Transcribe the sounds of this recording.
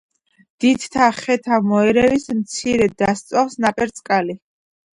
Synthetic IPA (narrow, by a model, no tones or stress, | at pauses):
d̪̥id̪t̪ʰaχɛt̪ʰamɔɛɾɛvismt̪sʰiɾɛd̪ast̪sʼɔfsnapʼɛɾt̪sʼkʼali